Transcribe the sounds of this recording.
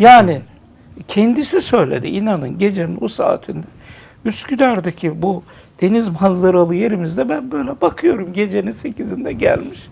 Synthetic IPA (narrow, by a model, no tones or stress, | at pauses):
jaːni | cʰɛnd̪isisø̞jlʲḛd̪ḭʔinanɯnɟe̞d͡ʒenḭnusa̰ːt̪ʰind̪ɛ | yst̪cyd̪æɾd̪ecʰibu | d̪̥e̞nizmazlˠaɾalˠɯje̞ɾimizd̪ɛbænbøjlʲɛbakʰɯjo̞ɾumɟe̞d͡ʒe̞ninse̞cʰizind̪ɛɟæ̰lʲmiʃ